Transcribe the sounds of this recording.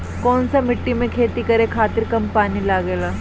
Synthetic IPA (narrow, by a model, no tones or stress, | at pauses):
kɔːnsamɪʈːimẽkʰeːt̪ikɐɾekʰaːt̪ɪɾkɐmpaːnilaːɡeːlaː